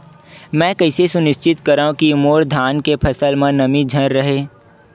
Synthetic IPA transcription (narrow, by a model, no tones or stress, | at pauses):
mɛ̃ːkɐɪsesʊnɪʃt͡ʃɪt̪kɐɾaːũkiʊmoːɾd̪ʱaːnkepʰɐsəlmẽnɐmid͡ʒʱɐɾɾəɦeː